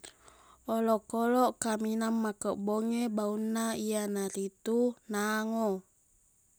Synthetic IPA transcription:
olɔʔkolɔʔkaminamːakəʔboŋebaunːaianaɾit̪unaŋo

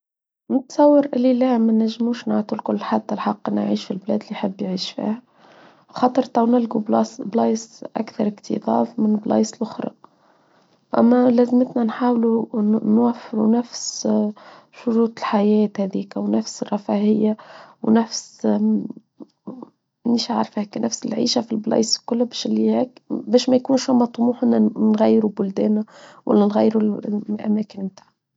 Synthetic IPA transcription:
nɪt̪sˤɑwːəɾʔɪlːilæmænæʒːmuːʃnaʕt̪ˤulkʊlːħat̪ːælħɑqːʔɪnːa̰ʕiːʃfilblæːd̪lːiħəbːjʕiːʃfḭːhæ | xɑːt̪ˤəɾt̪ˤɑwnɪlɡubblɑːjsʔa̰kθɑɾˤɪkt̪ʰḭðˤɑ̰ːfmɪnblɑ̰ːjslʔʊxɾˤɑ̰ | ʔæ̰mːælæzmət̪nænħaːwlunwæfːɪɾunæfs | ʃʊɾuːt̪ˤɪlħajæːt̪hæd̪iːkwnæfsrˤːɑfahɪjːawnæfs | niʃaʕɾˤfhæːknʔæfsɪlʕḭːʃafilblɑ̰ːjsˤlkʊlːbæːʃɪlːihæːkbæːʃmæjkuːnʃhʊmɑt̪ˤːmuːħʔɪnːanɣæjːɾubʊld̪æ̰ːnawʔa̰lːænɣæjːɾuʔæ̰mæːkɪnmt̪aːʕa

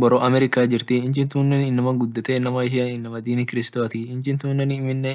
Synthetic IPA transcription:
bɔɾɔʔɐmɛɾɪkaːd͡ʒɪɾt̪ɪɪnt͡ʃɪnt̪uːnːɛnɪnːɐmɐɡʊd̪ːɐt̪ɛnɐmɐɪɦɪɐnɪnːɐmɐd̪iːmɪkɪɾɪst̪ot̪ɪɪnt͡ʃɪnt̪uːnːɛnːmːɪnːe

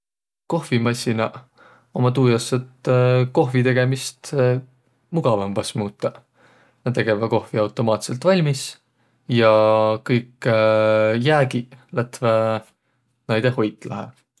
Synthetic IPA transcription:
ko̞hvimɑsʲinɑ | o̞mɑt̪uːjɑsːet̪ko̞ɦvit̪e̞ɡ̥e̞mist̪ | muɡ̥ɑvɑmpɑsmuːt̪ːˑɑ | nɑt̪e̞ɡ̥e̞vɑko̞hviɑwt̪ːˑo̞mɑːt̪se̞lt̪ˑvɑlʲmis | jɑkɤjk | jæːɡilæt̪ve | nɑjd̪̥eho̞jt̪ːˑlɑɦḛ

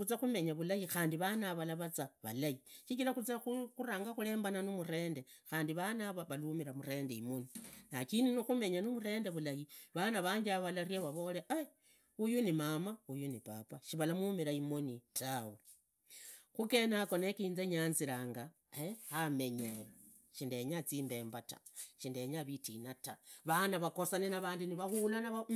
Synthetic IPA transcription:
ut͡saxume̞ɲaβulajixaːndiβanaβalaβat͡saβa̰lajiʃikilaxut͡sauuɾaːŋɡaxule̞ːmbananumuɾe̞ːnde̞xaːndiβanaβaβalumiɾamuɾe̞ːndeimoninakininixume̞ɲanumuɾe̞ːnde̞βulajiβanaβaːɲɡiaβalaɾjaβaβo̞leʔa | ujunimamaujunipapaʃiβalamumiɾaimonitʰawo | xuke̞nako̞nekiːnzeɲaːnziɾaːŋɡa | ehame̞ɲe | ʃindeɲat͡siːmbe̞ːmbata̰ʃindeɲaβitinataβanaβakosanenaβaːndiniβaɣulanaβa

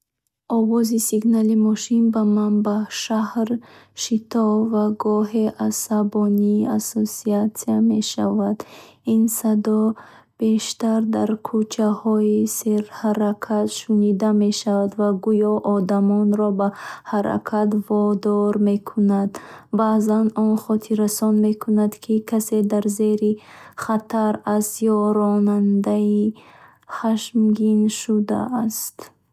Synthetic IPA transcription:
ɔvɔzisiɡnalimɔʃinbamanbaʃahɾʃit̪ʰɔvaɡɔɦeʔasabɔniːasosiat̪siame̞ʃavad̪insad̪ɔ | b̥e̞ʃt̪aɾd̪aɾkʰut͡ʃʰahɔiseɾhaɾakʰat̪ʃunid̪ame̞ʃavad̪vaɡujɔʔɔd̪amɔnɾɔbahaɾa̰kʰat̪vɔd̪ɔɾme̞kʰunad̪bazanɔnχɔt̪ʰiɾasɔnme̞kʰunad̪kʰikʰase̞d̪aɾze̞ɾiχat̪ʰaɾast̪jɔɾɔnand̪ai | χaʃmɡinʃud̪a̰ːst̪

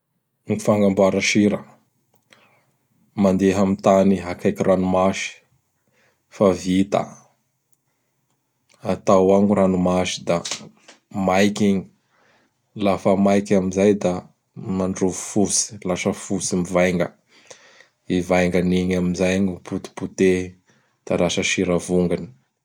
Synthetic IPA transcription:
mifaŋɡambuaɾaʃiɾə | mand̪eɦamit̪aniɦakajkiranumaʃi̥ | favit̪a̰ | at̪awaŋuɾanumaʃi̥d̪a | majkʲiɲi | lafəmajkamizajd̪a | maɳɖ͡ʐuvu̥fusi̥laʃəfusimivajŋɡə̰ | ivajŋɡaniɲamizajɲuput̪i̥put̪e | d̪̥alaʃəʃiɾavuŋɡani̥

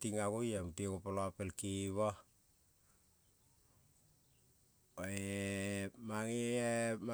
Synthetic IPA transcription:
tiŋaɡojamtikopaloapelkiβa | e | maŋeem

